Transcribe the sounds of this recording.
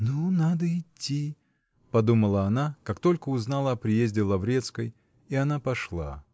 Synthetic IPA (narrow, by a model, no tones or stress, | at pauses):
nunad̪əɪtʲʰːi | pɐd̪uməlˠəɐnakakt̪o̞lʲkəʊznalˠəɐpɾʲɪjezʲdʲɪlˠɐvɾʲet̪skəj | iɐnapɐʂlˠa̰